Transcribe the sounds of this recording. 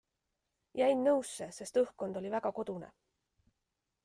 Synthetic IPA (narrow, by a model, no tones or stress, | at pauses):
jæjnːɤwsːe̞se̞st̪ɤhkːo̞nd̪o̞lʲivæɡ̥ɑko̞d̪̥unḛ